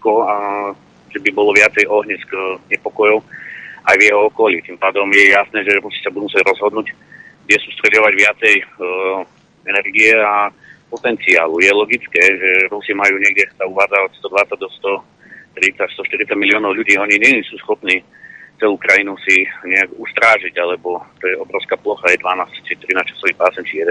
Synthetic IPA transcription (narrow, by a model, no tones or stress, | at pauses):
kɔa | ʒɛbibɔlɔʋɪat͡sɛjɔɦɲɛskɲɛpɔkɔjɔʊʔajvjɛɦɔɔkɔlit̪impaːd̪ɔmjɛjasnɛːʒɛɾusi̥sabud̪umusɛɟɾɔzɦɔd̪nuːc | ɡd̪ɛsuːst̪ɾɛɟɔʋaɟʋɪat͡sɛj | ɛnɛrɡiɛa | pɔt̪ɛnt͡sia̰ːlujɛlɔɡit͡skɛːʒɛɾusimajuːɲɛɡdɛsauʋaːd͡zaɔcst̪ɔd̪ʋat͡saɟ̚d̪ɔst̪ɔ | t̪ɾit͡sast̪ɔʃt̪iɾit̪t͡saɟmiliɔːnɔʊʎuɟiːɔɲiɲɛsuːsxɔpniː | t͡sɛluːkɾajinusiɲɛaɡust̪ɾaːʒiɟalɛbɔt̪ɔjɛɔbɾɔʊskaːplɔxajɛd̪ʋanaːst͡ʃit̪ɾinat͡ʃḁsɔʋixpaːsɛnt͡ʃijɛd̪ɛ